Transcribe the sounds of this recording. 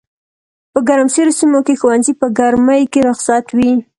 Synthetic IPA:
pəɡaɾamseɾosimokexowanzipəɡaɾməjkeɾʊqsat̪wi

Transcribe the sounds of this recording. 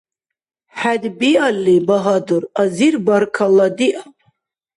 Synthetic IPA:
ħadbialːibaɦadurazirbarkʰaladiʔa

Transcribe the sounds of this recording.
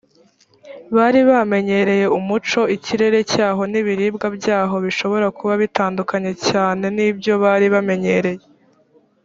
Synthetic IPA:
βaːɾiβame̞ɲe̞ɾe̞je̞umut͡ʃo̞iciɾe̞ɾe̞caːɦo̞niβiɾiːbɡabɟaːɦo̞βiʃo̞βo̞ɾakuβaβitaːndukaɲe̞caːne̞nibjo̞βaɾiβame̞ɲe̞ɾe̞je

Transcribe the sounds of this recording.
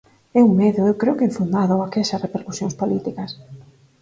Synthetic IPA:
ɛuŋmeðjʊewkɾeʊkɪɱfund̪aðoakɛsɐsrepeɾku̥sjõŋspolit̪ikɐs

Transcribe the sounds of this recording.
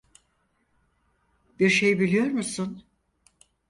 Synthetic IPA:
biɾʃe̞jbilʲijo̞ɾmusun

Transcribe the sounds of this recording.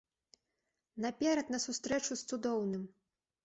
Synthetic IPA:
nɐpʲɛɾɐt̪nɐsust̪ɾɛt͡ʂust̪sud̪ɔwnɨm

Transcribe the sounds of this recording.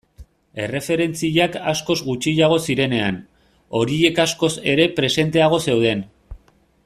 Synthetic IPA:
e̞re̞fe̞ɾe̞nt͡siʎaka̰sko̞zɡut͡ʃiʎaɣ̞o̞siɾe̞ne̞an | o̞ɾie̞kasko̞se̞ɾe̞pɾe̞se̞nt̪e̞aɣ̞o̞se̞wð̞e̞n

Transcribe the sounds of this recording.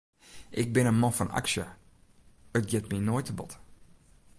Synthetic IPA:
ʔɪk̚bɪnənmɔnfɔna̰ksə | ətɡɪtminoːjtəbɔt

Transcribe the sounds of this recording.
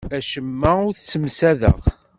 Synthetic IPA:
æʃəmːæʊɾθsəmsæðə̰ʁ

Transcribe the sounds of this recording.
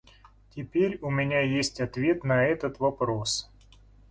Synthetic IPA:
tʲɪpʲeɾʲʊmʲɪnʲajesʲtʲɐt̪vʲe̞t̪nɐɛt̪ət̪vɐpɾo̞s

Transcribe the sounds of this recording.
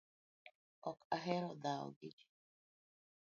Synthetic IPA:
ɔkaɦɛɾɔd̪aɔ̰ɡid͡ʒi

